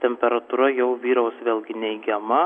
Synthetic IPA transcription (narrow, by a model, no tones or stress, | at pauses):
t̪ʲɛmʲpʲɛɾɐt̪uːɾɐjɛʊʋʲiːɾɐʊsʋʲeːlʲˠɡʲɪnʲɛɪɡʲɛmɐ